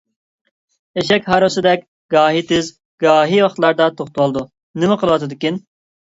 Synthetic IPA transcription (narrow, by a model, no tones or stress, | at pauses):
eʃɛkʲɦɑɾɨsɨd̪ɛkʲ | ɡɑːɦit̪ʰɪz | ɡɑːɦiwɑχt̪lˠɑɾd̪ɑt̪ʰoχt̪ʰuwɑlˠɨd̪u | nɪmɛqʰəlˠɨwɑt̪ʰɨd̪ɪkʲin